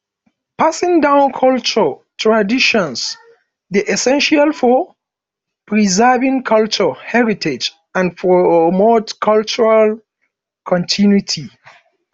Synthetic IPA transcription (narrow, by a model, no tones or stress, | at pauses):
pasĩŋdãʊ̃nkʰɔlt͡ʃə | tʰɹadiʃɔ̃ns | ðiʔɛsɛ̃nʃalfɔ | pʰɹizɛvĩŋkʰʌlt͡ʃəhɛɹitʰed͡ʒ | ãnpɹomotkʰʌlt͡ʃuɹal | kʰɔ̃ntʰĩnwitʰi